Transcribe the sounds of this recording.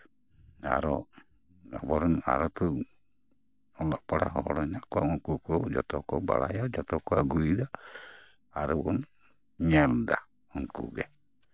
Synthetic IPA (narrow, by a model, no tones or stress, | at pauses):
a̰ɾɔ | ɔbɔɾɔna̰ɾɔt̪u | ɔlɔʔpaɾa̰ɦɔɔɾɔnaʔkuauŋkukɔd͡ʒɔt̪ɔkɔba̰ɾajɔd͡ʒɔt̪ɔkɔaɡuid̪aː | ɾɔbɔn | ɲɛld̪a | uŋkṵɡɛ